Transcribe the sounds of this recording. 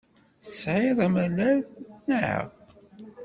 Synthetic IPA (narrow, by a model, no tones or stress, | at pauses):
sʕiðˤæmælæɾnʕə̰ʁ